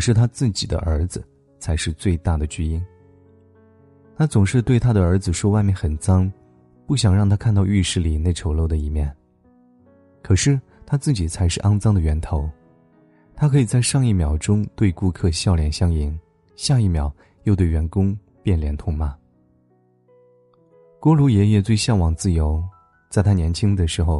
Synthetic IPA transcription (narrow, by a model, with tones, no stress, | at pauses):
kʰɤ˨˩ʂɻ̩˥˩t̪ʰa˥t͡sɹ̩˥˩t͡ɕi˨˩d̪ə̰˦ʔə˞˧˥d͡zɹ̩˧ | t͡sʰa˧˥ɪʂɻ̩˥˧t͡swe˥˧ɪt̪a˥˩d̪ə˩t͡ɕy˥i˥n | t̪ʰa˥t͡sʊ˨˩ŋʂɻ̩˥˧t̪we˥˩ɪt̪ʰa˥d̪ə˨ə˞˧˥d͡zɹ̩˧ʂwɔ˥wa˥˧ɪmjɛ˥˩nxə˨˩nt͡sɑ˥ŋ | pu˥˩ɕ̬jɑ˨˩ŋɻɑ˥˩ŋt̪ʰa˥kʰnt̪̬ɑ˥˧ʊy˥˧ʂɻ̩˥˩li˨˩ne˥˩ɪʈ͡ʂʰo˧˥ʊlo˥˩ʊd̪ə˩i˧˩mjɛ˥˩n | kʰɤ˨˩ʂɻ̩˥˩ | t̪ʰa˥t͡sɹ̩˥˩t͡ɕi˨˩t͡sʰa˧˥ɪʂɻ̩˥˧ʔɑ˥ŋt͡sɑ˥ŋd̪ə˨ɥɛ˧˥nt̪ʰo˧˥ʊ | t̪ʰa˥kʰɤ˧˥i˨˩t͡sa˥˧ɪʂɑ˥˧ŋi˥˩mjɑ˨˩ʊʈ͡ʂʊ˥ŋt̪we˥˧ɪku˥˧kʰɤ˥˧ɕjɑ˥˩ʊljɛ˨˩nɕjɑ˥ŋi˧˥˦n | ɕja˥˧i˥˩mjɑ˨˩˦ʊ | jo˥˧ʊt̪we˥˩ɥɛ˧˥nkʊ˥ŋ | pjɛ˥˩nljɛ˧˥nt̪ʰʊ˧˥ŋma˨˩ | kwɔ˥lu˧˥jɛ˧˥jɛ˥˧t͡swe˥˧ɪɕjɑ˥˩ŋwɑ˨˩ŋt͡sɹ̩˥˩jo˧˥ʊ | t͡sa˥˩ɪt̪ʰa˥njɛ˧˥nt͡ɕʰi˥ŋd̪ə˩ʂɻ̩˧˥xo˧ʊ